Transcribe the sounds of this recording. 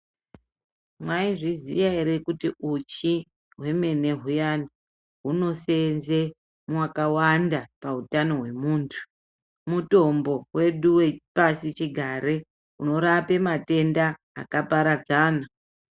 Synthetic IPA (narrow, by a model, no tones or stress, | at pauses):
mwaiʐizḭjaiɾekutiut͡ʃi | ɦwe̞me̞ne̞ɦujani | ɦuno̞senze | mwakawandapautano̞ɦwe̞muːntʰu̥ | muto̞mbo̞we̞ɗuwepasit͡ʃiɡʱaɾe | uno̞ɾape̞mate̞nda̰ː | kapaɾad͡zaːna